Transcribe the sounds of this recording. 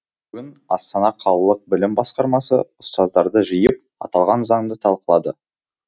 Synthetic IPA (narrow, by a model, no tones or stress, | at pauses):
kʲʏnɑst̪ɑnɑqʰɑlˠəlˠəq̚bɪlɪmbɑsqɑɾmɑsə̰ʊst̪ɑzd̪ɑɾd̪əʒijəp̚ | ɑ̰t̪ɑlˠʁɑnzɑɴd̪ət̪ʰɑlˠqəlˠɑd̪ə